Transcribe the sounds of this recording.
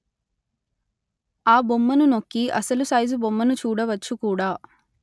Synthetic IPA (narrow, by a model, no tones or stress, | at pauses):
aːbomːɐnuno̞kːiʔɐsɐlusɐjzubomːɐnut͡ʃuːɽɐʋɐt͡ʃːukuːɽaː